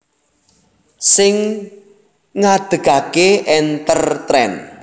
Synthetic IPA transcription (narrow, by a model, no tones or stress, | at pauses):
sɪŋ | ŋad̪̥ə̤ɡ̥a̤keʔɛnt̪ərt̪ɾɛ̰n